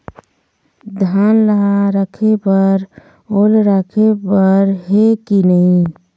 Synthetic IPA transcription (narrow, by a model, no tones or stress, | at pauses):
d̪ʱaːnləɦaɾəkʰepəɾ | olɾəkʰepəɾɦekinəɦĩ